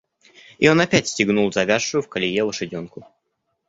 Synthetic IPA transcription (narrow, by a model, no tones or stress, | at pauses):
ɪo̞nɐpʲætʲsʲtʲɪɡnulˠzɐvʲaʂːʊjʊfkəlʲɪjelˠəʂɨdʲo̞nkʊ